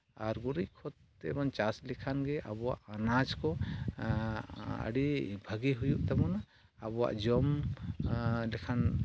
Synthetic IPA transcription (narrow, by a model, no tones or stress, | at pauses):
aɾɡuɾickʰɔt̪ | ɛ̰bɔnt͡ʃaslikʰanɡɛʔabɔwa̰ʔanad͡ʒkɔ | ə̰ɖibʱəɡiɦujuʔt̪abɔnaː | bɔwa̰ʔd͡ʒɔm | lɛkʰan